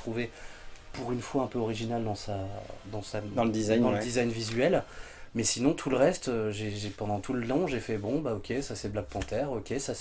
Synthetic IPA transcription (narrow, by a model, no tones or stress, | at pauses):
t̪χuvepuʁynfwaɛ̃pøɔʁiʒinald̪ɑ̃sad̪ɑ̃sad̪ɑ̃ləd̪izaj̪ɑ̃ləd̪izajnvizɥɛl | mɛsinɔ̃t̪ʰuləʁɛst̪øʒeʒepɑ̃d̪ɑ̃t̪ʰuləlɑ̃ʒefɛbɔ̃baɔkʲesasɛblaɡ̚pɑ̃t̪ɛʁɔkʲesas